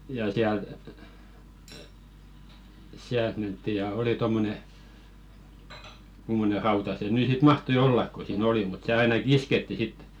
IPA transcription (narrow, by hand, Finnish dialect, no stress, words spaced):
jɑ siælt siælt mentːi jɑ oli tomːone kumːone rɑutɑ se nyˑ sit mɑhtoĭ olːɑk ko siːn oli mut se ɑinɑkĭ isketːi sit